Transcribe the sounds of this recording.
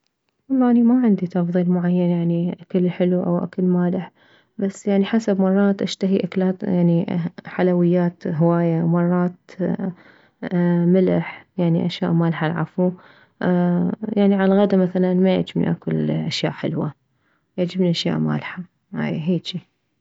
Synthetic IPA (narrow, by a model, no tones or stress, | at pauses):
wɑlˤːɑːʔnimaʕɪnd̪it̪ɑfðˤiːlmʊʕajːanjaʕniʔakalħɪluʔa̰wʔa̰kalmaːlɪħ | basːjaʕniħasabmɑrˤːɑːt̪ʔaʃt̪aɦiʔaklaːt̪jaʕniħalawɪjːaːt̪ɦwaːjamɑrˤːɑːt̪ | mɪlɪħjaʕnḭʔaʃjaːʔmaːlħalʕa̰fu | jaʕniʕalaɣad̪amaθalanmaja̰ʕd͡ʒɪbnḭʔakʊlʔaʃja̰ːʔħɪlwa | jaʕd͡ʒɪbniʔaʃja̰ːʔma̰ːlħa | ha̰jɦeːt͡ʃi